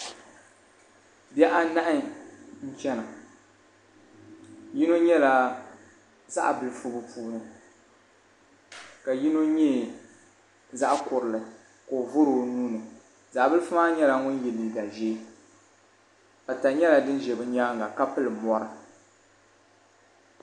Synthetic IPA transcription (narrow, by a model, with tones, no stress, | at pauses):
bɛ˦ʔa˦na˦ʔɪ˦n̩˦t͡ʃɛ˦na˨ | ji˦no˦ɲɛ˦la˦ | za̰˦ʔbɨ˨lɨ˨fu˦bɨ˦puː˦nɨ˨ | ka˨ji˦no˦ɲɛː˦˨ | za˦ʔkʊ˨ɾɨ˨lɨ˨ | ko˨vʊ˦ɾo˨nuː˦nɨ˨ | za˨ʔbɨ˦lɨ˦fʊ˦maː˦ɲɛ˦la˨ŋʊ˦n˦jɛ˨li˨da˨ʒeː˦ | ba˨ta˨ɲɛ˦la˨dɨ˦n˦ʒɛ˨bɨ˦ɲa˦ŋɡa˨ka˦pɨ˦lɨ˨mɔ˦ɾɨ˨